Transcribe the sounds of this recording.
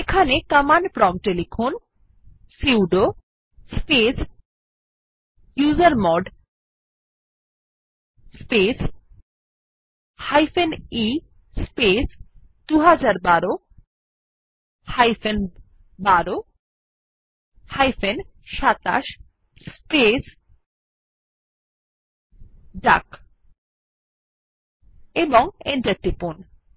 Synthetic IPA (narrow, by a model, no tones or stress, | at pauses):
ekʰanekəmanpɾɔmʈelifʰon | siwɖo | spes | juzaɾmɔɖ | spes | hajfeni | spes | d̪uɦad͡ʑaɾbaɾo | hajfen | baɾo | hajfen | ʃat̪a̰ʃ | spes | ɖa̰k | eboŋenʈeɾ̚ʈipon